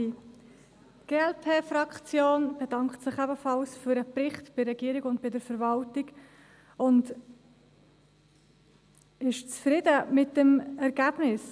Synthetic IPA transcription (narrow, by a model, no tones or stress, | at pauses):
ɡ̥eːɛlpʰeːfrɑkt͡sjoːnb̥ɛdɑŋkχtsɪχɛbəfɑlsfyɾəpɾɪχtb̥ɪrɛɡ̥iːɾiɡʊntbɪdəɾfəɾvɑltɪɡ | ʊnd | ɪʃt͡sfɾɪdəmɪtdəmɛɾɡ̥æb̥nɪs